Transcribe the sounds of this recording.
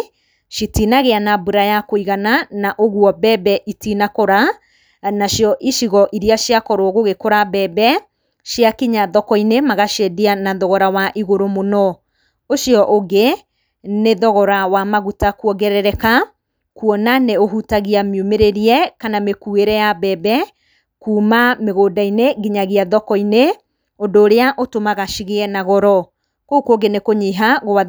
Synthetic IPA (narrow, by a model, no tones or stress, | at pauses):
ʃitinaɣeanabuɾajakoiɣananaʔoɣwɔbɛbɛʔitinakoɾa | naʃjɔʔiʃiɣɔʔiɾiaʃjakɔɾoɣoɣekoɾabɛbɛ | ʃjakiɲaðɔkɔinemaɣaʃedianaðɔɣɔɾawaʔiɣoɾomonɔ | oʃjɔʔoɡe | neðɔɣɔɾawamaɣutakuɔɡɛɾɛɾɛka | kuɔnaneoɦutaɣiamjomeɾeɾiɛkanamekueɾɛjabɛbɛ | kuːmameɣodaineɣiɲaɣiaðɔkɔine | odoːɾeaʔotomaɣaʃiɣeɛnaɣɔɾɔ | kokoɡenekoɲiɦaɣoa